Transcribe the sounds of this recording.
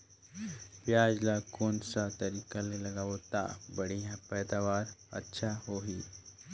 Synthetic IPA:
pjaːd͡ʒlakoːnsat̪ɐɾiːkalelɐɡaot̪a̰bɐɽ̤ijãpɛːd̪aːʋaːɾɐ̰tːʃʰaɦoːɦiː

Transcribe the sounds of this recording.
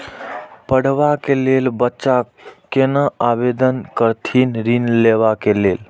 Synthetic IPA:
pəɽ̤ʋakelelbətːʃa | kenəabed̪ənkəɾt̪ʰinɾinleβakelel

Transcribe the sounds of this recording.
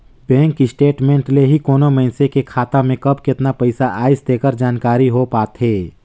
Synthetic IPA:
bɛ̃ːŋkːisʈeːʈmẽːɳʈleɦikoːnoməɪnsekekʰaːt̪amẽkɐbkɪt̪napɐɪsaʔaːɪsd̪eːkəɾd͡ʒaːnkaːɾiɦopaːt̪ɦeː

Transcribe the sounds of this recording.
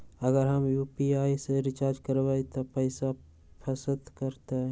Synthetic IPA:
əɡəɾɦəmjuːpiaːiseɾɪt͡ʃaːɾd͡ʒkəɾbait̪opəɪsa | pʰəsəd̪kəɾt̪eɦɛ̃

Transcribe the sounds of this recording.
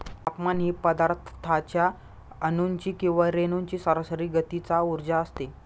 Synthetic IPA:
apmanɦiːpəd̪aɾt̪ʰt̪ʰat͡ɕja | ənuɲt͡ɕiːkĩw̃ʋaɾenuɲt͡ɕiːsəɾasəɾiːɡət̪it͡sauɾd͡ʑaəst̪e

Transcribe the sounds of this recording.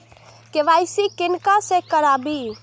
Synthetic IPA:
keʋajsikinkasẽkəɾabi

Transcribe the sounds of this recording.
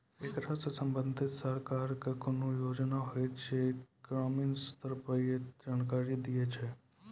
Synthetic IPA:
eːkɾasesə̃mbə̃nd̪ʱɪt̪səɾkaːɾkekonujoːd͡ʒnaɦoet͡ʃʰeɡ̥ɾaːmɪnst̪əɾpaied͡ʒaːnkaːɾid̪ijet͡ʃʰɛ

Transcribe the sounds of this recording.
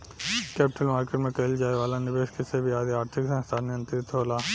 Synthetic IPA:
kɛːpɪʈəlmaːɾkeːʈmẽkɐɪld͡ʒaːeʋaːlanɪʋeːʃkisebʱiaːd̪iaːɾt̪ʰɪksɛ̃st̪ʰaːnjə̃nt̪ɾɪt̪ɦoːlaː

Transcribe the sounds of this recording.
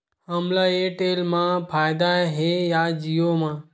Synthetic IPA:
ɦəmlaːeʈeːlmãpʰaːjd̪aɦejad͡ʒijomãː

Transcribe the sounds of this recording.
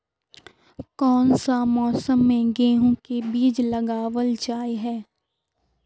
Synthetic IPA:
kɔːnsamɔːsəmːẽɡeːɦõkebiːd͡ʒləɡaːʋəld͡ʒaːjɦɛː

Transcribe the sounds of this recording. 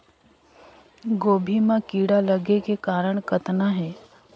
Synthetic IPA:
ɡoːbʱimãkiːɽaləɡekekaːɾəɽ̃kət̪naɦɛː

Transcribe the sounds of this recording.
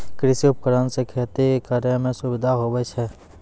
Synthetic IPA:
kɾɪsiʊp̚kəɾənsekʰɛːt̪ekekaːɾjəmẽsʊbɪd̪ʱaɦoːbɛt͡ʃʰɛ

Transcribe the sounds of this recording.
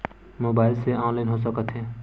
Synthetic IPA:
moːbaːɪlseãːnlaːɪnɦoːs̬əkət̪ʰɦeː

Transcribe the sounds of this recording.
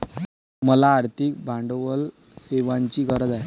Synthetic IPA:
məlaːɾt̪ʰik̚bʱaɳɖʋəl | seʋaɲt͡ɕiːkəɾəd̪ae

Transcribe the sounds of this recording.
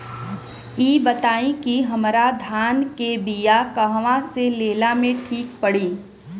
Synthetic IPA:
iːbət̪aːĩkiɦɐmɾad̪ʱaːnkebijakəɦʋãseleːlamẽʈʰiːk̚pəɽiː

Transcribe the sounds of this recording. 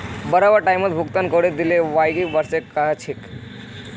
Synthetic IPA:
bəɾaʋaʈajmət̪̚bʱukt̪ənkəɽed̪ileʋajɡiʋəɾsekat͡ʃʰik

